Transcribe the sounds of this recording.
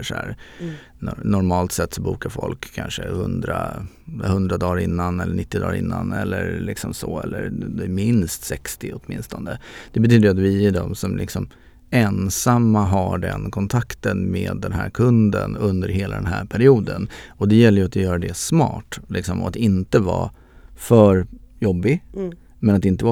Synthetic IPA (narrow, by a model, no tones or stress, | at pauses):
ʂæːɾ | nɔnɔɾmɑːlt̪sɛt̪ːsɔbuːkaɾfɔlkʰːanʂəhɵnd̪ɾahɵnd̪ɾad̪ɑːɾɪnːanɛlːəɳɪt̪ːɪd̪ɑ̰ːɾɪ̰nːanɛlːəɾlɪksɔmsɔɛlːəɾd̪ɛmɪnst̪sɛkst̪ɪɔt̪mɪnst̪ɔnd̪əd̪̥ɛbɛt̪ʰyːd̪əjat̪vɪæɖɔmsɔmlʔɪksɔm | ɛnsamːaɦaɖɛ̰nkʰɔnt̪ʰakt̪ənmeːd̪ːɛnɦæːɾkʰɵnd̪ənɵnd̪əɾɦeːla̰d̪ɛnɦæ̰ːɾpʰæɾɪuːd̪ənɔd̪ɛjɛlːəjɵat̪jœːɾad̪ɛsmɑ̰ːʈlɪksɔmɔat̪ɪnt̪əvɑ̰ː | fœɾ | jɔbːɪɡ | mɛnat̪ɪnt̪əva